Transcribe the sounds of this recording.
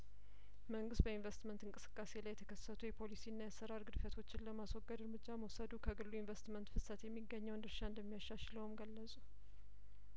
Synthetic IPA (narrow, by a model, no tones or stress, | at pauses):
məŋɡɨst̪̚bəinvest̪mənt̪ɨŋkʼɨsɨ̥kʼːase̞lajːɛt̪ʰə̥kʰəsːət̪ʰujɛpʰo̞lisiɨnːajasːəɾaɾɡɨd̪fət̪ʰo̞t͡ʃːɪnləmaswɔɡːəd̪ɨɾmɨd͡ʒːaməwsəd̪ukʰəɡɨlːuinvest̪mənt̪fɨsət̪jɛmːiɡːəɲːəwnd̪ɨɾʃaɨnd̪əmːijaʃːaʃləwmɡəlːəsʼu